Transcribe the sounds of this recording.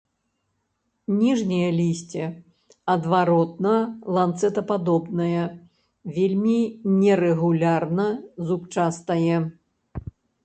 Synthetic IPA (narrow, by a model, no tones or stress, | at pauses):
nʲiʐnʲɐjɐlʲisʲt͡sʲɛ | ɐd̪vaɾɔt̪̚nɐlˠant̪sɛt̪ɐpad̪ɔbnɐjɐ | vʲelʲmʲinʲɛɾɛɣulʲarnɐzupt͡ʂast̪ɐjɛ